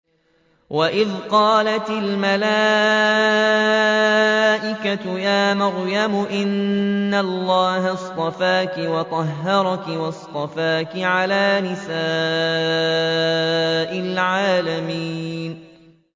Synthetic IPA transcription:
waʔɪðqɑːlat̪ɪlmala | ʔɪkat̪ʊjaːmaɾjamʊʔɪnːalːɑːɦast̪ˤɑfaːkɪwɑt̪ˤɑɦːɑɾˤɑkɪwɑst̪ˤɑfaːkɪʕalaːnɪsaː | ʔɪlʕaːlamiːn

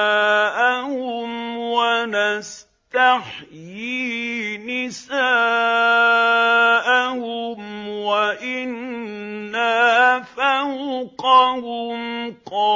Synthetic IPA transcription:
ʔahʊmwanas | t̪aħjinɪsaː | ʔahʊmwaʔɪnː | afawqɑhʊmqɑ

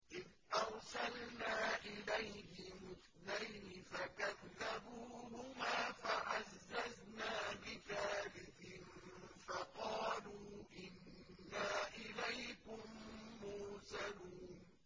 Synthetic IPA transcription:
ʔɪðʔɑɾˤsɑlnaːʔɪlajhɪmʊθ | najnɪfakaðːabuːhʊmaːfaʔazːaznaːbɪθaːlɪkɪnfɑqɑːluːʔɪnːaːʔɪlajkʊmːʊɾsaluːn

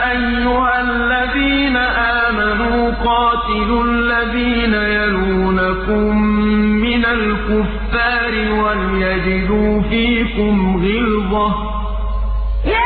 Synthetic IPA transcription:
ʔajːʊhalːaðiːnaʔaːmanuːuːqɑːt̪ɪlʊ | lːaðiːnajaluːnakʊmːɪnalkʊfːaːɾɪwalɪjad͡ʒɪd̪uːfiːkʊmɣɪlðˤɑ

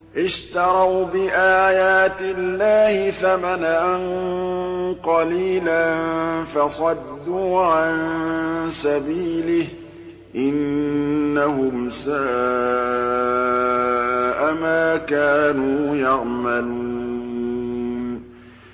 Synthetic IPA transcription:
ʔɪʃt̪ɑɾˤɑwbɪʔaːjaːt̪ɪlːaːhɪθamanaʔn | qɑliːlannfɑsˤɑd̪ːuːʕan | sabiːlɪh | ʔɪnː | ahʊmsaː | ʔamaːkaːnuːjɑʕmaluː | n

